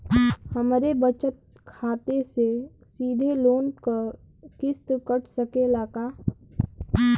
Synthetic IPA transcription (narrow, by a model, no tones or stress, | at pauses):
həmɾebət͡ʃət̪̚ | kʰaːt̪ese | siːd̪ʱeloːnkə | kɪst̪kəʈʰsəkelaːkaː